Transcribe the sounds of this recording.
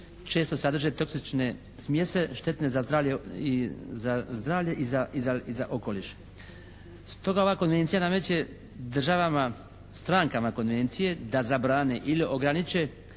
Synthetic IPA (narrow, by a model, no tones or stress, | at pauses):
t͡ʃe̞ːst̪osad̪r̩ʒet̪o̞ksit͡ʃne̞ | smje̞seʃt̪e̞t̪nezazd̪ɾaːʋʎeizazd̪ɾaːvʎeʔizaizaizaʔo̞koliʃ | st̪o̞ɡaoʋaːko̞nʋe̞nt̪sijanamet͡ɕe | d̪r̩ʒaʋama | st̪ɾaːŋkamako̞nʋe̞nt̪sije̞d̪azabɾaːneʔiliʔo̞ɡɾanit͡ʃe